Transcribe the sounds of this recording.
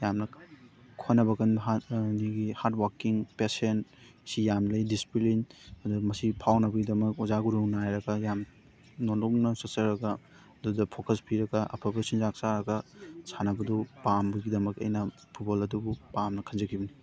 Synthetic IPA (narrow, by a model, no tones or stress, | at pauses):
jamnɐ | kʰonɐbɐkʰɐnɦaniɡihaɾtwakiŋpesen | sijamlɐjdisi̥pilinɐdumɐsipʰawnɐbɐɡidɐmɐkɔzaɡuɾuŋnajɾɐɡɐjam | nondoŋnɐsɐsɐɾɐɡɐ | dudɐpʰokɐspʰiɾɐɡɐʔɐ̰pʰɐbɐsinzak̚saɾɐɡɐsanɐbɐdubambɐɡidɐmɐkɐ̰jnɐ | pʰubolɐdububamnɐkʰɐnzɐkʰibɐni